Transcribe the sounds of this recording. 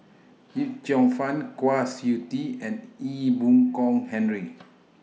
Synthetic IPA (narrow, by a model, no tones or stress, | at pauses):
hit̚t͡ʃɔ̃ŋfãnkwasjutiɛ̃nibũŋkɔ̃ŋhɛ̃nɹi